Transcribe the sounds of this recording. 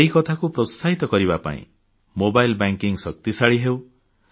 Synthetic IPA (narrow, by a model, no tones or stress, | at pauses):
eɦikɔt̪ʰakupɾɔst̪ʰaɦit̪ɔkɔɾiβapa̰ḭ̃ | mobajlbaŋkiŋsɔk̚t̪isaɭiɦew